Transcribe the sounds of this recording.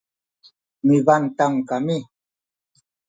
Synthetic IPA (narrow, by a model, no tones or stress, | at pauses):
mivant̪aŋkami